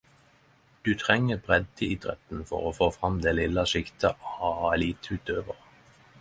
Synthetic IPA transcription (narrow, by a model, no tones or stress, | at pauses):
d̪̥ʉːt̪ʰʁɛŋəbʁɛd̪̚t̪ʰiɪd̪ʁɛ̰t̪n̩fɔ̰ʁoːfoːfʁɑmd̪eːlɪlːəʃɪkt̪ʰəɑliːt̪ʉːt̪øːʋəʁ